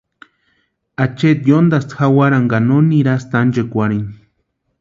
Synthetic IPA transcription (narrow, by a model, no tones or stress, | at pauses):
at͡ʃet̪jond̪ast̪xawaɾaŋɡanoniɾast̪and͡ʒekʷaɾini